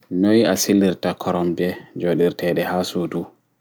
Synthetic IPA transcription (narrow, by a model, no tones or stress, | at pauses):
nojasilːiɾtakʰɔɾɔmbɛd͡ʒoɗiɾtɛɗɛhaːsudu